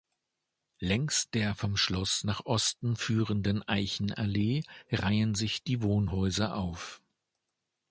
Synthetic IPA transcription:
lɛŋst̚d̥eːɐfɔmʃlɔsnaːχʔɔstn̩fyːʁəndənʔaɪçn̩ʔaleːʁaɪənzɪçd̥iːvoːnɦɔʏzɐʔaʊf

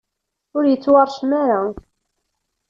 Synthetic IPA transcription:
ʊɾjət͡sːwɑɾˤʃmaɾa

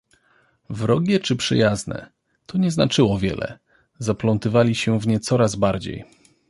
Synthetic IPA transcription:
vɾɔɡʲɛt͡ʂɘpʂɘ̰jaznɛ̰ | t̪ʰɔɲɛznat͡ʂɘwɔvʲjɛ̰lɛ̰ | zaplɔnt̪ɘvalʲiɕɛvɲɛt̪sɔɾazbaɾd͡ʑḛj

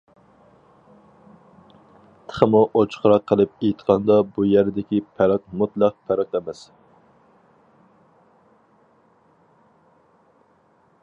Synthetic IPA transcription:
t̪ʰə̥χəmuʔot͡ʃʰχəɾɑqʰːəlˠɨp̚ejt̪qʰɑnd̪ɑbujæɾd̪ɪkʲipʰæɾɑq̚mut̪lˠæq̚pʰæɾɑqæmɛs

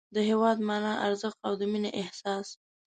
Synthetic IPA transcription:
d̪əɦewɑd̪mɑnɑʔaɾzəxt̪awd̪əmineʔɪhsɑs

